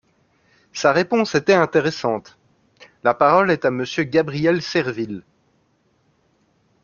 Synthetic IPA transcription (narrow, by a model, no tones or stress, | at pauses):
saʁepɔ̃set̪ɛɛ̃t̪eʁesɑ̃t̪ | lapaʁɔlɛt̪aməsjøɡabʁijɛlsɛʁvil